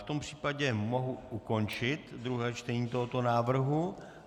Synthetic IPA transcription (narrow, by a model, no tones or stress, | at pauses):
ft̪ompr̝̥iːpaɟɛmo̞ɦuʔuko̞nt͡ʃɪt̪d̪ɾuɦɛːt͡ʃt̪ɛɲiːt̪oɦot̪o̞naːvr̩ɦu